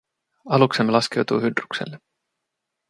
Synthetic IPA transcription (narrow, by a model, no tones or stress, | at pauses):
ɑluksemːelɑske̞wt̪uhydruksḛlːe